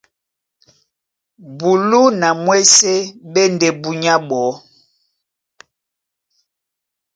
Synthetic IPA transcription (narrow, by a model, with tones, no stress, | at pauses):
bu˨lu˦na˨mwe˦se˦ɓe˦nde˨bu˨ɲa˦ɓɔ˨˦